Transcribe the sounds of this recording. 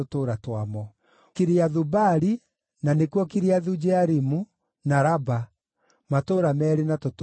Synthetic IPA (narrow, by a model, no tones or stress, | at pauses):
otoːɾatwamɔ | keɾeaðubaɾi | nanekwɔkeɾeaðud͡ʒɛaɾimu | naɾaba | matoːɾamɛɾenatot